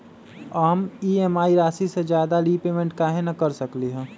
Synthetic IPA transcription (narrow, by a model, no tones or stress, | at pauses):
aːmiemaːiɾaːsised͡ʒjaːd̪alipeːmẽɳʈkaːɦenakəɾsəkliɦɛ̃ː